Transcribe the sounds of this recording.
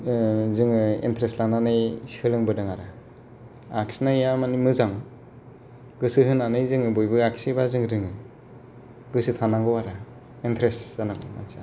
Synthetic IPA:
zɯŋɯḛntʰɾeslananɯjsi̥hʰɯlɯŋbɯdɯŋaɾa | aksnajjamanimɯzaŋ | ɡɯsɯɦɯnanɯjzɯŋɯbɔjbɯaksibazɯŋɾɯŋɯ | ɡɯsɯtʰanaŋɡɔwaɾa | entʰɾeszanaɡɔma̰nsa

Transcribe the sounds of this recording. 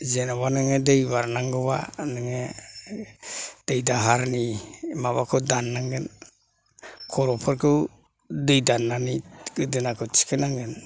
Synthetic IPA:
zenaβanɯŋedejβaɾnaŋɡoβa̰nɯŋe | d̥ejdaɦaɾnimaβakʰodanːaŋɡen | kʰoɾopʰaɾkɯw | dejdanːaniɡɯdinakut͡ʃi̥kenaŋɡen

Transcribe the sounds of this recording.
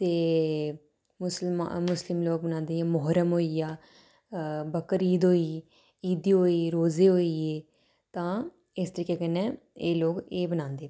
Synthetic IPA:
t̪eː | mʊslma̰mʊslɪmloːɡ̚bənãːnd̪eːaːmɔɦɾəmɦoːiaː | bəkəɾiːd̪ɦoːiː | iːd̪iːɦoːiːɾoːzeːɦoːiːeː | t̪ãː | ɪst̪əɾiːkeːkənːɛ̃ː | eːloːɡeːbənãːnd̪eː

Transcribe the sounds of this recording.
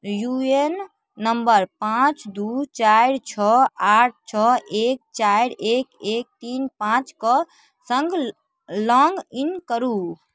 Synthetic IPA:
juenː | əmbəɾpãt͡ʃd̪ut͡ʃajɾt͡ʃʰɔaʈ̚ʰt͡ʃʰɔek̚t͡ʃajɾekek̚t̪inpãt͡ʃkə | sə̃ŋɡ | lɔŋɡinkəɾu

